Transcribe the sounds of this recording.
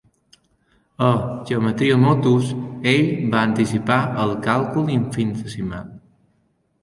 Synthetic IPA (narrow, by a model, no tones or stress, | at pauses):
əʒeomət̪ɾiomot̪useʎbaənt̪isipaəlˠkalˠkulˠiɱfinθəsima̰n